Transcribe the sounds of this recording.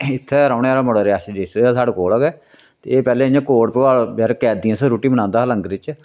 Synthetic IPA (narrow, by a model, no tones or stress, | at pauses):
ɪt̪ʰːɛːɾaːʊneːaːlaːməɽaːɾɪaːsid͡ʒ̪esːsaːɽakoːlaːɡɛː | t̪ḛːeːpɛːleːəɲãːkoːɽpəʋaːlbɛːɾkɛːd̪iãːsə̃ɾuːʈiːməñãːnd̪aːələ̃ŋɡɾɪt͡ʃ